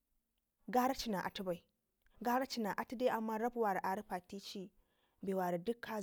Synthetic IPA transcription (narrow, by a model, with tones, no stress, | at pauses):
ɡaː˦ɾa˦t͡ʃi˦na˨ʔa̰˨tu˦ba˨i˨ | ɡaː˦ɾa˦t͡ʃi˦na˨ʔa˨ti˦de˦ʔa˨mːa˦ɾa˦bwa˨ɾa˨ʔa˨ɾi˦ɸa˨ti˦t͡ʃi˦ | be˨wa˨ɾi˨dʊ˦kːa˦